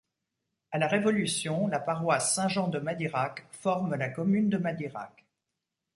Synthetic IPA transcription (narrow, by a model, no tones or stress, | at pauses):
alaʁevɔlysjɔ̃lapaʁwasːɛ̃ʒɑ̃d̪əmad̪iʁakfɔʁməlakɔmynd̪əmad̪iʁa̰k